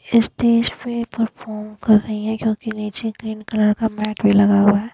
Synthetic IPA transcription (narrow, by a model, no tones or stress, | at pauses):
ɪst̪eːd͡ʒpepɐɾfʰɔːɾmkɐɾːɐɦiɦɛ̃kjõːkiniːt͡ʃekɾiːnkɐləɾkamɛːʈmelɐɡaːwaɦɛː